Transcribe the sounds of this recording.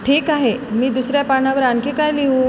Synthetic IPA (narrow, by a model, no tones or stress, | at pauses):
ʈʰiːkaɦemiːd̪usɾjapaɳaʋəɾaŋkikajliɦu